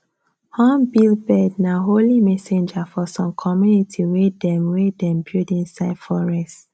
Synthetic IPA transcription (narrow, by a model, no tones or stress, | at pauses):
hɔ̃mbilbɛdnaɦolimɛsɛ̃nd͡ʒafɔsɔ̃mkʰɔmjunitʰiwedɛ̃mwedɛ̃mbjudĩnsaɪdfɔɹɛst